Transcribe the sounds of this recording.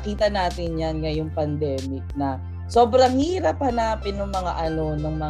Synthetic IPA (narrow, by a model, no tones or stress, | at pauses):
kiːt̪ɐnaːt̪ɪnɲanŋɐjoŋpɐnd̪ɛːmɪk̚nɐ | so̞ːbɾɐŋhiːɾɐphɐnaːpɪnːʊŋmɐŋa̰ʔɐno̞nɐŋmɐ